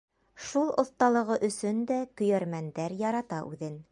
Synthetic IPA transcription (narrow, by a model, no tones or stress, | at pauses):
ʃulˠŏθt̪ɑlˠɤ̆ʁɤʔɵ̆sɵnd̪ækɵ̆jæɾmænd̪æɾjɑɾɑt̪ɑʔʉðɘn